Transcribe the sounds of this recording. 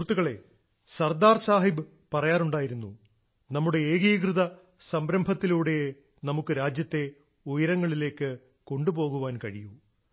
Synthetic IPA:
urt̪ːuɣɐɭe̞ | sɐrd̪aːrsaːɦibɨ | pɐrɐjaːruɳɖaːjiɾunːu | nɐmːuɽe̞eːɣijkrɨðɐ | sɐmbɾɐmbʱɐt̪ːiluːɽe̞j | nɐmukːɨɾaːd͡ʑjɐt̪ːe̞ | ujɐɾɐŋːɐɭile̞ːkːɨ | ko̞ɳɖubo̞ːɣuʋaːnkɐɻiju

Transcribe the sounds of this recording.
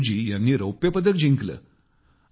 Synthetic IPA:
d͡ʑiːjanːiːɾəwpjəpəd̪ək̚d͡ʑʱiŋklə̰ː

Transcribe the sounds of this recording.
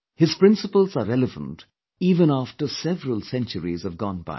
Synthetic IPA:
hɪz̥pɹɪ̃nsəpəl̩ˠzəɾɛləvə̰̃nt | iːvə̃næfʈəsɛvəɹəlˠsɛ̃nt͡ʃəɾḭzʌvɡɔ̃nba̰ɪ

